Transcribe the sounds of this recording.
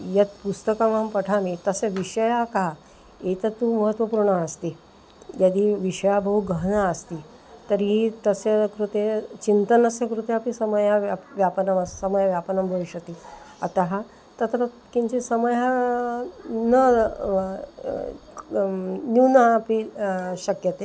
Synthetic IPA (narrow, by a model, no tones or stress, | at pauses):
jət̪pust̪əkamampəʈʰamit̪əseʋiʂəjaka | et̪ət̪ːuməɦət̪ʋəpuɾɳaəst̪i | jjad̪iːʋiʂəjabəɦuɡʱəɦnaəst̪iː | t̪əɾɦiːt̪əsekɾut̪et͡ɕint̪ənəsẽkɾut̪eapisəməjaʋjapnəməssəməjaʋjapnəmbʱəʋuɕəkt̪iː | a̰t̪aɦa | t̪ət̪ɾə | kĩɲt͡ɕesəməja | nə | nunaːpiɕəkjət̪e